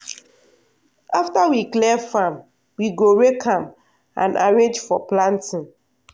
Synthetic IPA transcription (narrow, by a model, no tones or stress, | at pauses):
aftawiklɛfam | wiɡoɹekʰãm | ã̰na̰ɹẽnd͡ʒfɔplãntĩn